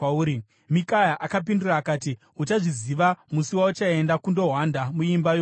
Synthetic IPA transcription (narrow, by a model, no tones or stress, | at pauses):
uːɾi | mikajaʔakap̬induraːkaːti | ut͡ʃaʐiziʋamusiwaut͡ʃaendakundo̞ɦwandamuimbajoː